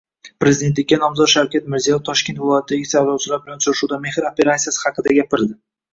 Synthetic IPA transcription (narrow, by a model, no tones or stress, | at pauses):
pɾezid̪e̞nt̪lɪkʲːanɒmzɒt̪ʃawkʲat̪̚mɪɾzijaft̪ʰɒʃkʲnt̪vɪlˠɒjat̪ʰɪd̪aɡʲɪsajlawt͡ʃʰɪlaɾbɪlant͡ʃ̪ʰʊɾɪʃuwd̪ame̞hɾope̞ɾat̪sijasɪ̥hɑqɨd̪aɡʲapɪɾd̪ɪ